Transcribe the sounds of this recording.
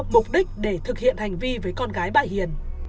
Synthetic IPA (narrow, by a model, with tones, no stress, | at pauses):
p̚mʊ˨˩k͡p̚ɗï˦˥k̟̚ɗe˧˩t̪ʰɨ˨˩k̚hḭ˧˨ənha˨˩jŋ̟vi˧vəː˨˦jkɔ˧nɣaː˨˦jɓa̰ː˧˨jhi˨˩ən